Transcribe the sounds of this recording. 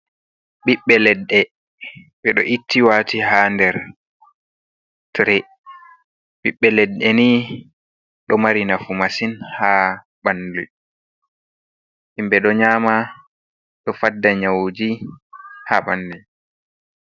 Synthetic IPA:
ɓiɓːɛlɛdːɛ | ɓɛɗɔʔitʰːiwaːtihandɛɾ | tɾɛ | ɓiɓːɛlɛdːɛni | ɗɔmaɾinafumasinha | ɓandṵj | ʔimbɛɗɔɲaːma | ɗɔfadːaɲawd͡ʒi | haɓandu

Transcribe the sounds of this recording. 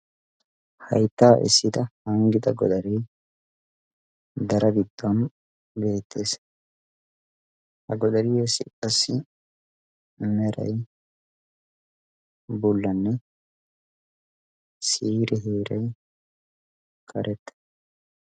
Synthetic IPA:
hɐ̰jt̪ːaːʔɪ̰sːɪd̪ɐhɐŋɡɪd̪ɐɡɔd̪ɐɾɛj | d̪ɐɾɐɡɪd̪̥ːɔn | be̞ːt̪ʰːe̞ːs | hɐɡɔd̪ɐɾijɛsːɪkʼɐsːɪ | mɛɾɐ̰j | bʊlːɐnːɛ | siːɾɛɦeːɾɐj | kʼɐɾʔɛt̪ːɐ̥

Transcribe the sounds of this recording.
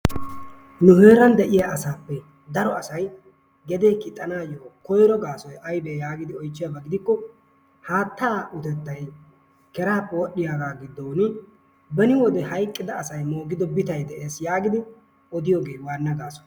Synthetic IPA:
nʊhe̞ːɾɐnd̪ɛʔɪjaʔɐsaːpːɛ | d̪ɐɾɔɐsɐj | ɡɛd̪eːkɪt̪ʼːɐnaːjoːkɔjɾɔɡaːsɔjʔɐjbeːjaːɡɪd̪ɪɔjt͡ʃːɪjabɐɡɪd̪ɪkːɔ | haːt̪ːaːʔʊt̪ɛt̪ːɐj | kɛɾaːpːɛwɔɗːɪjaːɡaːɡɪd̪ːoːnɪ | bɛnɪwɔd̪ɛhɐjkʼːɪd̪ɐːsɐjmoːɡɪd̪ɔbɪt̪ɐjd̪ɛʔeːsjaːɡɪd̪ɪ | ɔd̪ɪjoːɡeːwaːnːɐɡaːsɔ̥j

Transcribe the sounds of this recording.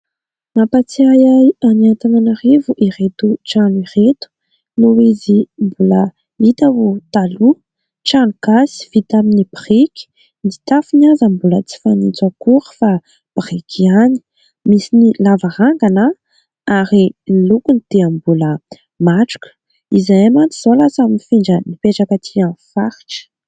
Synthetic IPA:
napat͡siajaaniat̪ananarivuʔiɾet̪uʈ͡ʂaniret̪u̥ | nuwezimbulə | it̪avut̪alu | ʈ͡ʂanukasi̥fit̪aminib̥riki̥ | nit̪afinazəmbulət͡si̥fanit͡sakuɾə̥fa | b̥rikʰiani̥ | misinilavaɾaŋɡanə | aɾinlukunit̪eambulə | maʈ͡ʂu̥kə̥ | izajamant͡s̪i̥z̥olasaminifiɳɖ͡ʐənipeʈ͡ʂakət̪ʰianfaɾi̥ʈ͡ʂə̥

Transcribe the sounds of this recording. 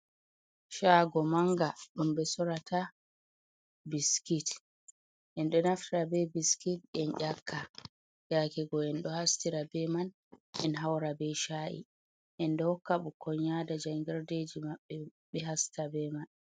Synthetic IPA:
ʃaɡɔmaŋɡaɗumbɛsɔɾatʰa | biskit | ʔɛnɗɔnaftiɾabɛbiskit̚ɛnʔʲakʰːa | jakɛɡɔɛnɗɔhastiɾabɛman | ʔɛnɦawɾabɛʃaʔḭ | ʔɛndɔhɔkːaɓukɔɲadad͡ʒaŋɡɛɾded͡ʒimaɓːɛɓɛɦastʰabɛman

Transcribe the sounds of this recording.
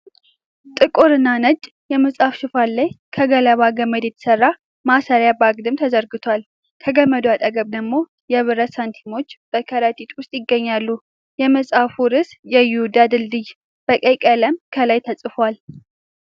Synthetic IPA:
t̪ʼɨkʼoɾɨnːanəd͡ʒʼ | jɛməsʼafʃɪfalːaj | kʰəɡələβaɡəməd̪ɛt̪ʰə̥sərːa | masəɾjabaɡd̪ɨmt̪ʰəzəɾɡɨt̪ʰwal | kʰəɡəmːəd̪wat̪ʼəɡəβd̪əɡmːo̞ | jɛβɨɾəsant̪ʰimo̞t͡ʃːb̥əkʰəɾat̪ʼit̪ʼwʊst̪ʼjɪɡːəɲːalːu | jɛməsʼafuɾɨsjɛjud̪ad̪ɨlːɨj | b̥əkʼejkʼələmkʰəlajt̪ʰəsʼɨfwal

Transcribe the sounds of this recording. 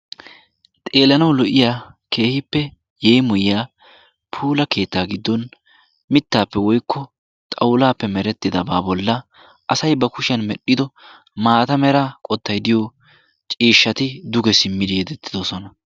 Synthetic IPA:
t̪ʼe̞ːlɐnɐwlɔʔɪjaːkʰe̞ːhɪpːɛ | jɛjmʊjɪjaː | pʰuːlɐke̞ːt̪ːaːɡɪd̪ːɔn | mɪt̪ːaːpːɛwɔjkːɔ | t̪ʼɐwlaːpːɛmɛɾɛt̪ːɪd̪ɐbaːbɔlːɐ | ʔɐsɐjbɐkʊʃɪjɐnmɛɗːɪd̪ɔ | maːt̪ɐmɛɾakʼɔt̪ːɐjd̪ɪjɔ | t͡ʃʼiːʃːɐt̪ɪd̪ʊɡɛsɪmːɪd̪ɪjɛd̪ɛt̪ːɪd̪ɔsɔnɐ

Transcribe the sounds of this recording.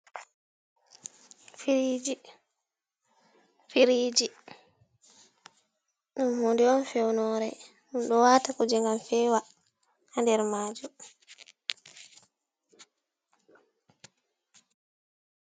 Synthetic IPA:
fiid͡ʒi | fiɾiːd͡ʒi | ɗunhundiɔnfɛwnɔɾɛ | nunɗɔwaːtakud͡ʒiŋɡamfɛːwa | handɛɾmaːd͡ʒu

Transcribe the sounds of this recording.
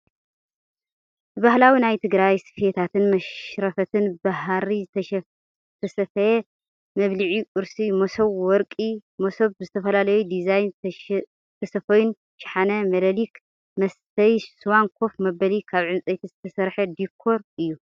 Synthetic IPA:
bɨbahlawinajt̪ʰɨɡɾajsfet̪ʰat̪ʰɨnmɐʃɾɐfɐt̪ʰɨnbaɦɾi | t̪ʰɐsɐfɐje | mɐβlɨʕikʼʊɾsimosoβwɔɾkʼimosoβzɨt̪ʰɐfɐlalɐjud̪izajn | t̪ʰɐsɐfojun | ʃħanɐmɐd̪ɐlik | mɐst̪ʰɐjswankʰo̞fmɐbɐlikʰaβʕɨnt͡sʼɐjt̪ʰizɨt̪ʰɐsɐɾħɐd̪ikʰːo̞ɾʔɨjːu

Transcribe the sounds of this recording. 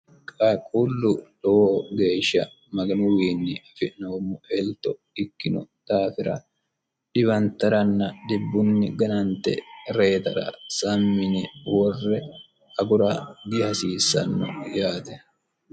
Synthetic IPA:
kʼakʼulːʊlɔwoːɡe̞ːʃːɐ̰ | mɐɡɐnʊwiːnːɪɐfɪnoːmːʊʔɛlt̪ːɔ | ɪkːɪnʊt̪aːfɪɾɐ | ᶑɪβɐnt̪ɐɾɐnːɐd̪ɪbːʊnːɪɡɐnɐnt̪ɛ̰ɾe̞ːt̪ɐɾɐ̰sɐmːɪnɪwɔrːɛ | ɐɡʊɾɐɡɪhɐsiːsːɐ̰nːɔ̰jaːt̪ɛ

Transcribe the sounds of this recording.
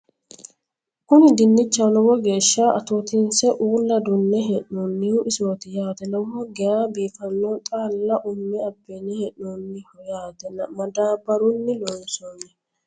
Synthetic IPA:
kʊnɪd̪ɪnːɪt͡ʃːalɔwɔɡe̞ːʃːaʔɐt̪oːt̪ɪnsɛʔuːlːɐd̪ʊnːɛɦɛʔnunːɪjʊʔɪsoːt̪ɪjaːt̪ɛlɔwɔɡɛjaːbiːfɐnːot̪ʼaːlːɐʔʊmːɛɐbːɛnɛhɛʔonːɪhɔjaːt̪ɛnɐmɐd̪aːbɐɾʊnːɪlɔnsoːnːɪ

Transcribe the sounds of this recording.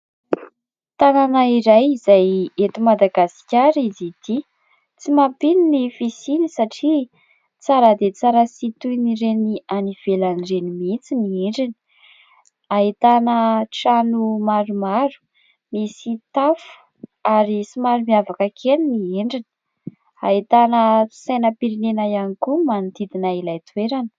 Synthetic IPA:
t̪ananaiɾajizajet̪umad̪aɡasi̥kʲaɾizid̪̥i | t͡simapininifisinisaʈ͡ʂi | t͡saɾəd̪et͡saɾəsit̪unirenianiv̥elanirenimit͡sinieɳɖ͡ʐini̥ | aɦit̪anəʈ͡ʂanumaɾumaɾu̥ | misit̪afu̥ | aɾisimaɾumiavakəkʰeninieɳɖ͡ʐinə̥ | ait̪anəsajnəpiɾinenajanikumanud̪id̪inailajt̪weɾanə̥

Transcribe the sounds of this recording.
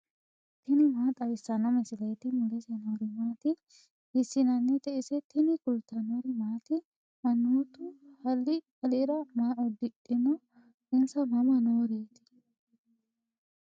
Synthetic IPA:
t̪ɪnɪmaːt̪ʼɐwɪsːɐnɐmɛsɪlɐjt̪ɪmʊlɛsɛnoːɾɪmaːt̪ɪ | ɪsːɪnɐnːɛt̪ɛʔɪsɛt̪ɪnɪkʊlt̪ːɐnoɾɪmaːt̪ɪ | ʔɐnːuːt̪ʊhɐlːɪ | ɐleɾɐmaːʔɔd̪ɪᶑɪnɔ | ɪnsɐmɐmɐnoːɾeːt̪ɪ̥

